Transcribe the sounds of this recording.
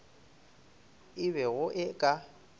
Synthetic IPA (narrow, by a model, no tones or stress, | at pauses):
ɪβɛɣʊʔɪkʼa